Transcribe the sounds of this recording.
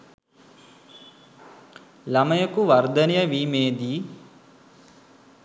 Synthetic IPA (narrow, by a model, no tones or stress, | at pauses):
lɐmɐjɐkuʋɐɾd̪ɐnejɐʋiːmeːd̪iː